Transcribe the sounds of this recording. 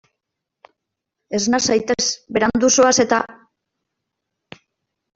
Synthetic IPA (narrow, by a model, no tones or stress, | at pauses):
e̞znasajt̪esbe̞ɾand̪usoase̞t̪a